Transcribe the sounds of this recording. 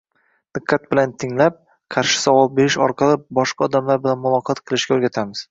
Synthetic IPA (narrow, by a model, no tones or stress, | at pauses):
d̪̥ɨqʰːɑt̪̚bɪlant̪ʰɪŋlap̚ | qʰɑɾʃɪ̥savɒl̚be̞ɾɪʃɒ̰ɾqʰɑlˠɪbɒʃqʰɑɒd̪amlaɾbɪlanmʊlˠɒqʰɒt̪qʰɨlˠɪʃkʲaoɾɡʲat̪ʰamɪz̥